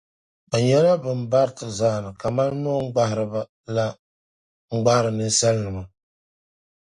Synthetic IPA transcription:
a˨ɲɛ˦la˦bɨ˨m˦ba˦ɾtɨ˨zaː˦˨nɨ˨ka˨ma˦n˦no˦ŋ̩˦ɡ͡ba˦hɪ˨ɾɨ˨ba˦ | la˦ | ŋ̩˦ɡ͡ba˦hɾɨ˨nɨ˦n˦sɛ˦lnɨ˨ma˨

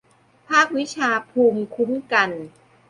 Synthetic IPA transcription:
pʰaː˥˩k̚wi˦˥t͡ɕʰaː˧pʰuː˧mkʰu˦˥mka˧n

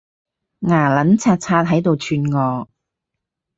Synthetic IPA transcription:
ŋaː˨˩lɐ˨˥nt͡sʰaː˧t̚t͡sʰaː˧t̚ɦɐ˨˥jt̪o˨˧wt͡ʃʰyː˧nŋɔː˨˧

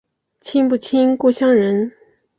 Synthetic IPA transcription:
t͡ɕʰi˥ŋpu˥˩t͡ɕʰi˥nko˥˩ɕjɑ˥ŋɻə˧˥n

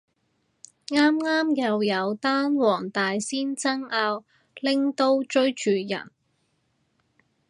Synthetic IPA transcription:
ŋaː˥mŋaː˥mjɐ˨˧wjɐ˨˧wt̪aː˥nwɔː˨˩ŋt̪aː˨jsiː˥nt͡sɐ˥ŋaː˧w | lɪ˥ŋt̪o˥wt͡ʃɵ˥ɥt͡ʃyː˨˧jɐ̰˨˩n

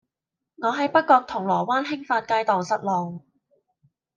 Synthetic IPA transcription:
ŋɔː˨˧ɦɐ˨˧jpɐ˥t̚kːɔː˧k̚t̪ʰʊ˨˩ŋlɔː˨˩waː˥nɦɪ˥ŋfaː˧t̚kaː˧jt̪ɔː˨ŋsɐ˨t̚lɔː˨˩ŋ

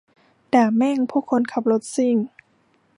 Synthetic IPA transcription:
daː˨˩mɛ˥˨ŋpʰuː˧˥˩kʰo˧˨nkʰa˨˧˩p̚lo˧˦˥t̪̚si˧˩ŋ

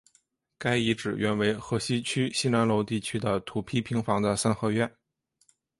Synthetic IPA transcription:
ka˥ɪi˧˥ʈ͡ʂɻ̩˨˩ɥɛ˥˩nwe˧˥ɪxɤ˧˥ɕi˥t͡ɕʰy˥ɕi˥na˧˥nlo˧˥ʊt̪i˥˩t͡ɕʰy˥d̪ə˨t̪ʰu˨˩pʰi˥˩pʰi˧˥ŋfɑ˧˥ŋd̪ə˧sa˥nxɤ˥˧ɥɛ˥˩n

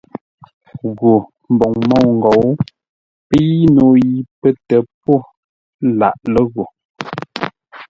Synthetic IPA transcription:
ɣo˨ | m̩˨bɔ˨ŋmɔ˦˨wŋ̩˨ɡo˨˦w | pə˦ji˦no˨ji˨˦pə˦tɛ˨p̚o˦˨ | la̰˨ʔlə˦ɣo˨

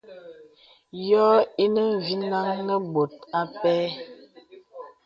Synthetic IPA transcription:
jɔː˦i˦nə˦ɱ˨vi˦na˦ŋnə˦bo˨t̚a˦pɛː˦

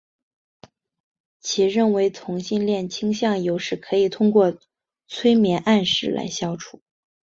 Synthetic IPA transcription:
t͡ɕʰi˧˥ɻə˥˩nwe˧˥ɪt͡sʰʊ˧˥ŋɕi˥˧nljɛ˥˩nt͡ɕʰi˥ŋɕjɑ˥˩ŋjo˧˥ʊʂɻ̩˥˩kʰɤ˧˥i˨˩t̪ʰʊ˥ŋkwɔ˥˩ | t͡sʰwe˥ɪmjɛ˧˥nʔa˥˧nʂɻ̩˥˩la̰˧˥ɪɕjɑ˥ʊʈ͡ʂʰu˨˩˦

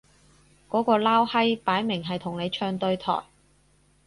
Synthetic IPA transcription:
kɔː˨˥kɔː˧laː˥whɐ˥jpaː˨˥jmɪ˨˩ŋɦɐ˨jt̪ʰʊ˨˩ŋle˨˧jt͡ʃʰœː˧ŋt̪ɵ˧ɥt̪ʰɔ̰ː˨˩j

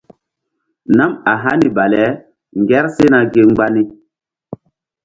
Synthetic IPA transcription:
na˦ma˨ɦa˦ni˨ba˨lɛ˨˦ | ŋɡɛ˦ɾse˦na˨ɡe˦ŋ͡mɡ͡ba˦ni˦

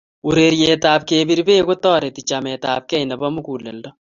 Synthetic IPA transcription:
uɾe˨ɾje˨t̪aː˨b̚keːbi˨ɾbeː˦ɡo˦t̪ːɔː˦ɾe˨t̪it͡ʃa˨met̪a̰ː˨b̚kɛ˦jnɐ˨bɐ˦mu˦ku˨lːe˨ldɔ˦

